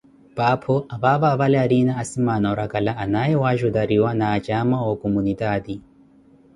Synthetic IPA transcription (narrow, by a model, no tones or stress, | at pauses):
papʰɔaβaβaːβalɛaɾinaːsimanɔɾakalaʔːnaɛwaʒud̪aɾiwanaːt͡ʃʼamaɔkʼɔmunid̪aːd̪i